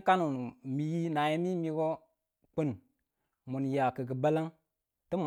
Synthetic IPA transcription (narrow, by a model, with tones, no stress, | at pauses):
ka˦nu˨n˨mi˨˦ji˦na˨ji˦mi˦mi˦ɡo˦ | k͡pə˦n | mu˨nja˨kə˨ɡə˨ba˦la˦ŋ | tə˦m